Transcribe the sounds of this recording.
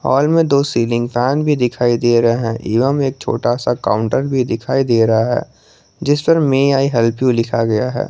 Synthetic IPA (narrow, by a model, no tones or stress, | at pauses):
ɦɔ̰ːlmẽd̪oːsiːlɪ̃ŋɡpʰɛːnbʱid̪ɪkʰaːid̪eːɾɐɦeɦɛ̃ʔiːʋəmeːk̚t͡ʃʰo̰ːʈasaka̰ːʊ̃ɳʈəɾbʱid̪ɪkʰaːid̪eːɾɐɦaɦɛ̰ː | d͡ʒɪspəɾmẽaːiɦɛlpjũlɪkʰaɡɐjaɦɛ̰ː